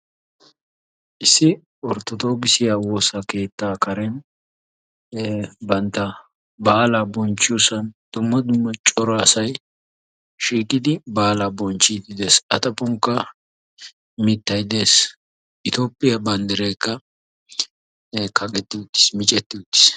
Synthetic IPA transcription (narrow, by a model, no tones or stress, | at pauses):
ʔɪsːɪ | ɔɾt̪ːɔt̪o̞ːɡɪsɪjaːwoːsɐke̞ːt̪ːaːkɐɾɛn | bɐnt̪ːɐ | baːlabɔnt͡ʃːɪjusɐnd̪̥ʊmːɐd̪ʊmːɐt͡ʃʼɔɾaːsɐj | ʃiːkʼːɪd̪ɪbaːlabɔnt͡ʃːid̪ɪd̪e̞ːsɐt̪ɐpʊŋkːɐ | mɪt̪ːɐjd̪e̞ːs | ʔɪt̪oːpʼːɪjɐbɐnd̪ɛɾɛjkːɐ | kʰɐɡɛt̪ːɪʊt̪ːɪ̥smɪt͡ʃʼɛt̪ːɪʊt̪ːɪ̥s